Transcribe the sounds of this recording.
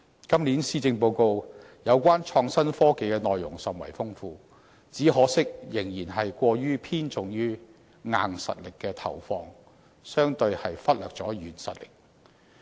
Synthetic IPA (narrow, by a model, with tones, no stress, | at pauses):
kɐ˥mliː˨˥nsiː˥t͡sɪ˧ŋp̬o˧wko˧w | jɐ˨˧wkʷaː˥nt͡ʃʰɔː˧ŋsɐ˥nfɔː˥ke˨˧jkɛː˧nɔː˨jːʊ̰˨˩ŋsɐ˨˩mwɐ̰˨˩jfʊ˥ŋfuː˧ | t͡siː˨˥hɦɔː˨˥sɪ˥k̚jɪ˨˩ŋjiː˨˩nɦɐ˨jkʷɔː˧ɥyː˥pʰiː˥nt͡sʊ˨ŋjyː˥ | ŋa̰ː˧ŋsɐ̰˨t̚lɪ˨kːɛː˧t̪ʰɐ̰˨˩wfɔː˧ŋ | sœː˥ŋt̪ɵ˧ɥhɐ˨jfɐ˥t̚lœː˨k̚t͡sɔː˨˥jyː˨˩nsɐ̰˨t̚lɪ̥̰˨k̚